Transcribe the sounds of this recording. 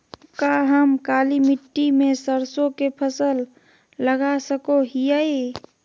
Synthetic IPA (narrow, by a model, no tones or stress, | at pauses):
kaɦəmkaːlimɪʈːimẽsəɾsõkepʰəsəlː | əɡasəkoɦijəi